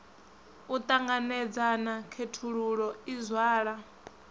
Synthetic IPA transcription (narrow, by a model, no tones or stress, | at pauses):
ut̪ʼaŋɡanɛd͡zanakʰetʰuɺuɺɔizwaːɺa